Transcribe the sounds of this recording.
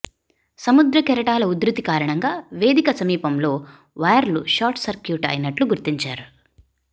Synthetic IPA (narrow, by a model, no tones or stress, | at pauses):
sɐmud̪ɾɐkɛɾɐʈaːlɐud̪ɾut̪ikaːɾɐɳɐŋɡaːʋe̞ːd̪ikɐsɐmiːpɐmlo̞ː | ʋɐjɐɾluʃaːɾʈsɐɾkjuːʈɐ̰jnɐʈluɡuɾt̪iɲt͡ʃaːɾu